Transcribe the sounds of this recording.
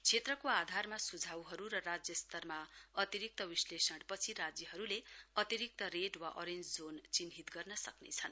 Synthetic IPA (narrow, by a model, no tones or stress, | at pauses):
t͡sʰet̪rʌkoad̪ʱarmasud͡zʱawɦʌɾuɾʌrad͡zjʌst̪ʌrmaʌt̪iɾik̚t̪ʌwislesʌɽpʌt͡sʰiɾad͡zjʌɦʌɾuleʌt̪iɾik̚t̪ʌɾeɖwaʔo̰ɾend͡zd͡zont͡sinɦit̪ɡʌrnʌsʌknḛt͡sʰʌn